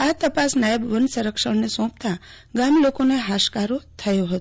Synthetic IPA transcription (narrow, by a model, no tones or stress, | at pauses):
at̪əpasnajəbʋənsəɾəkʃəɳnesɔ̃p̚t̪a | ɡamlokoneɦaʃkaɾot̪ʰəjoɦət̪o